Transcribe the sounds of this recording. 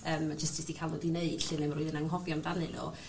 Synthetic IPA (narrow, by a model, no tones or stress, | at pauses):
əːmad͡ʒəstd͡ʒ̥ɪsd̥ikʰalˠɔdineɨd̥ɬɨnɨmrɾʊɨðənaŋɦɔvjɔndanɨlɔ̰